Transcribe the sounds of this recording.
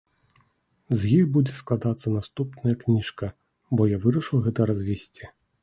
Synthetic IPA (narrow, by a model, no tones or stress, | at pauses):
zjixbud͡zʲɛsklˠad̪at̪sːɐnast̪upnɐjɐknʲiʂkɐ | bɔjavɨɾɐʂɨwɣɛt̪ɐɾazʲvʲɛsʲt͡sʲi